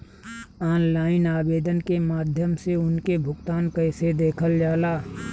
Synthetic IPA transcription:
ɔːnlaːɪnaːbeːd̪ənkemaːd̪ʱjəmseʊnkebʱʊɡt̪aːnkəɪsed̪eːkʰəld͡ʒaːlaː

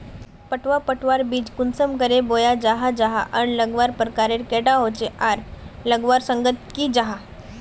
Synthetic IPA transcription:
pəʈʋapəʈʰʋaɾbiːd͡ʑkunsəmkəɾebojad͡ʑaɦad͡ʑaɦaʔəɳləɡʋaɾpɾəkaɾeɾkeʈaɦot͡ɕeʔaɾləɡʋaɾsəŋɡət̪kiːd͡ʑaɦa

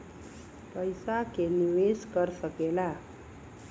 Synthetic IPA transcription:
pəjsakeniʋeskəɾsəkela

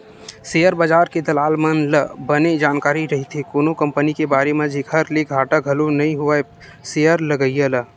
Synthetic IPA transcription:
seːjəɾbəd͡ʒaːɾked̪ɐlaːlmənləbəned͡ʒaːnkaːɾiɾɐɦit̪ɦekoːnokə̃mpənikebaːɾemẽd͡ʒʱikʰəɾlekɡʱaːʈaɡʱɐlonɐɦĩɦʊa | seːjəɾləɡəijələ

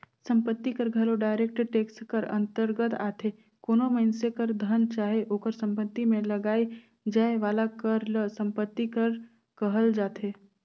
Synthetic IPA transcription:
sə̃mpət̪ːikəɾɡʱɐloɖaːɪɾeːk̚ʈʈeːkskəɾə̰̃nt̪əɾɡət̪a̰ːt̪ʰe | koːnoməɪnsekəɾd̪ʱənt͡ʃaːɦeʔoːkəɾsə̃mpət̪ːimẽlɐɡaːi | d͡ʒaːeʋaːlakəɾləsə̃mpət̪ːikəɾ | kəɦəld͡ʒaːt̪ʰeː

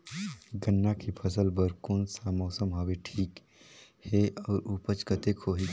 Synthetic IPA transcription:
ɡənːakʰipʰəsəlbəɾkoːnsamɔːsəmɦoweʈʰiːk | heʔɔːɾupət͡ʃkət̪ekʰoːɦi

